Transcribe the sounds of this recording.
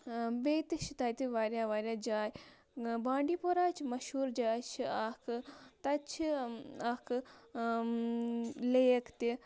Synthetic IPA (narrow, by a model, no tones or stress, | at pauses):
beːt̪iʃit̪aːjt̪iʋaːɾjaːʋaːɾʲjaːd͡ʒaːj | bãːɳɖiːpoɾaːt͡ʃʰimɐʃuːɾd͡ʒaːjt͡ʃʰiakʰɨt̪ɐt͡ʃʰiakʰɨ | leːkʰt̪i